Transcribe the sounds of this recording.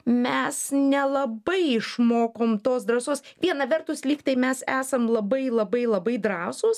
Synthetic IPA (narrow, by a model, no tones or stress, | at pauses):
mʲɛsnʲɛlˠɐbɐɪɪʃmoːkoːmt̪oːsd̪ɾɐsoːsʋʲiɛnɐʋʲɛrt̪ʊslʲiːkt̪ɐɪmʲɛsæːsɐmlˠɐbɐɪlˠɐbɐɪlˠɐbɐɪd̪ɾɑːsʊs